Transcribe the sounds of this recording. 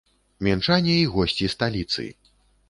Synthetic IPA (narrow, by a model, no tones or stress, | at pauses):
mʲɛnt͡ʂanʲɛiɣɔsʲt͡sʲist̪alʲit̪sɨ̰